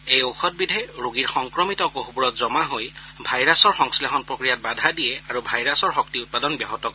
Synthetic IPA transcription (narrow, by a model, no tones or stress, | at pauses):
ejoxʰɔt̚bidʱɛɹoɡiɹxɔŋkɹɔmitɔkoɦbuɹɔtzɔmaɦoj | bʱajɹasɔɹxɔŋslexɔnpɹokɹijat̚badʱadijɛaɹubʱajɹasɔɹxɔk̚tiʊt̚padɔnbjɔɦɔtɔk